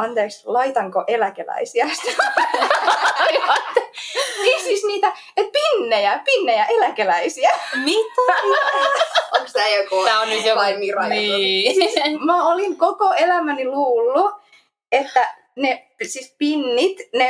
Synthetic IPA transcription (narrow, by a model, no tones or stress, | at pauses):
ɑnt̪eːkslɑit̪ɑŋkoʔelækelæ̰isiæst̪ | lʋɑt̪ːekisisniːt̪æ | et̪̚pinːejæpinːejæʔelækelæisiænit̪ː | oksæjokoæonnyt̪jolɑiʋirɑjosismæoliŋkokoelæmæniluːlːu | et̪ːæ | nepsispinːit̪ne